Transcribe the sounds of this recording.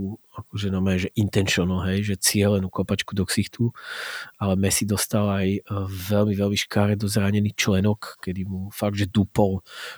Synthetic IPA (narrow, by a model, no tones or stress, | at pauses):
u | akɔʒɛnamɛɛʒɛʔint̪ɛnʃɔnɔɦɛjʒɛt͡sɪɛlɛnukɔpat͡ʃkud̪ɔksixt̪u | alɛmɛsid̪ɔst̪alajvɛlmivɛlmiʃkaːɾɛd̪ɔzɾaɲɛnit͡ʃlɛnɔkːɛd̪imufaɡ̚d̪ʒɛd̪upɔl